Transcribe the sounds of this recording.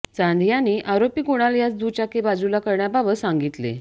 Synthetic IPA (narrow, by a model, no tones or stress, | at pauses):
t͡sãnd̪ʱjãnːiːʔaɾopiːkoɽ̃aljat͡sd̪ut͡ɕakebad͡zulakəɾɳjababəsãŋɡit̪lḛ